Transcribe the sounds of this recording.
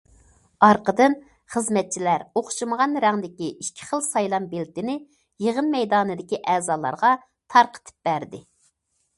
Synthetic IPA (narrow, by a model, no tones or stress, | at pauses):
ɑɾqəd̪ɨn | χəzmɛt̪̚t͡ʃʰilæɾoχʃɨməʁɑnɾæŋd̪ɪkʲiʔiʃkʲʰi̥χəlˠsɑjlˠɑmbelt̪ɪnɪ | jeʁənmɛjd̪ɑːnɨd̪ɪkʲiʔɛːzɑːlˠɑ̰ɾʁɑ | t̪ʰɑɾqʰə̥t̪ʰɨ̥p̚b̥æɾd̪ɪ